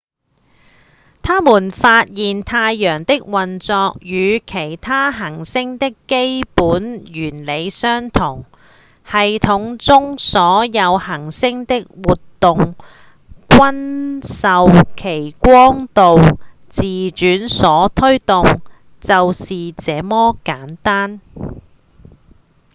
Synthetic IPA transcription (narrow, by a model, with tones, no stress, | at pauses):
t̪ʰaː˥muː˨˩nfaː˧t̚jiː˨nt̪ʰaː˧jːœː˨˩ŋt̪ɪ˥k̚wɐ˨nt͡sɔː˧k̚jyː˨˧kʰe˨˩jt̪ʰaː˥ɦɐ˨˩ŋsɪ˥ŋt̪ɪ˥kːe˥jpuː˨˥njyː˨˩nle˨˧jsœː˥ŋt̪ʰʊ˨˩ŋ | hɐ˨jt̪ʰʊ˨˥ŋt͡sʊ˥ŋsɔː˨˥jɐ˨˧whɐ˨˩ŋsɪ˥ŋt̪ɪ˥k̚wuː˨t̪ːʊ˨ŋ | kʷɐ˥nsɐ˨wkʰe˨˩jkʷɔː˥ŋt̪o˨w | t͡siː˨t͡ʃyː˨˥nsɔː˨˥t̪ʰɵ˥ɥt̪ʊ˨ŋ | t͡sɐ˨wsiː˨t͡sɛː˨˧mɔː˥kaː˨˥nt̪aː˥n